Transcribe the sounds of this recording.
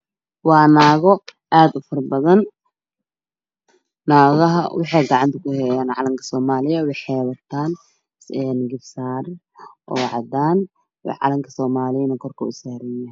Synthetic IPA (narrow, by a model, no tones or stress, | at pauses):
wɑːnaːɣɔ | ʔaːd̪ʊfɐrbɐðɐn | aːɣɐɦɐ̰wʔɑħɑjɡɑʕɑnt̪ʰɐkʰʊhɛjaːnʕɑ̰lɐŋkʰɐ̥sɔːmaːlɪjɐwɑjħɛːβɐrt̪ʰaːn | ɛːnɡɪbsaːr | ʔɔːʕɑ̰d̪aːn | wɑ̰ʕɑ̰lɐŋkʰɐsɔːmaːlɪnɐkʰɔrkʰɐʊsaːɾɪjɐ